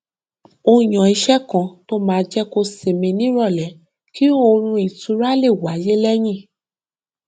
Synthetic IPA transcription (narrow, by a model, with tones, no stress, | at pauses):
o˧j̃ã˨i˧ʃɛ˦kã˧˨to˦mãː˨˦˧d͡ʒɛ˦ko˧se˨mĩ˧nĩ˦ɾɔ˦˨lɛ˨˦ | ki˦o˦˧ɾ̃ũ˧i˨tu˨˦ɾa˦le˦˨wa˨˦je˦lɛ˦j̃ĩ˦˨